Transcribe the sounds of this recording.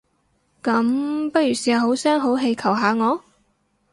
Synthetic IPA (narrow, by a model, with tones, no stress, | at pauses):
kɐ˨˥mpɐ˥t̚jyː˨˩siː˨˩a˨˩ho˨˥wsɛː˥ŋɦo˨˥wɦe˧jkʰɐ˨˩wɦaː˨˧ŋɔː˨˧